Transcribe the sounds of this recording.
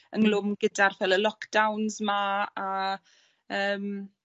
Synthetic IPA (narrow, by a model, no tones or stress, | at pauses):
ənlʊmɡədarvɛlˠəlˠɔkd̥awnzmaa | əːm